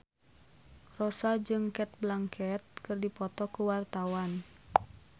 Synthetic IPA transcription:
rɔsad͡ʒɨŋkɛt̪̚blaŋkʰɛt̪̚kɨrdipɔt̪ɔkuwart̪awan

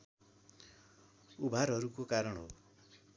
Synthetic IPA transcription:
ubʱaɾɦʌɾukokaɾʌɳɦo̰

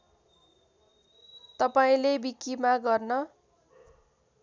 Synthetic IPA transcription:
t̪ʌpaĩlebikːimaɡʌrnʌ

